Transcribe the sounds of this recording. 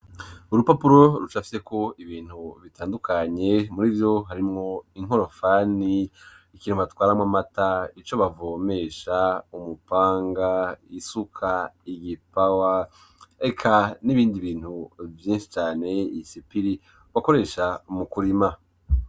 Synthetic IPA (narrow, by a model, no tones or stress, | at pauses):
uɾupapuɾo̞ɾut͡ʃafi̥se̞ko̞ʔiβiːn̥huβitʰaːndukʰaɲe̞muɾivjo̞ɦaɾimŋo̞iŋɦo̞ɾo̞fani | ikiːnuβatwaːɾamwamatait͡ʃo̞βavoːme̞ʃaumupaːŋɡaisukʰaiɡipawa | ekʰaniβiːndiβiːn̥huvjiːnʃi̥t͡ʃaːne̞isipiɾi | βako̞ɾe̞ːʃamukuɾima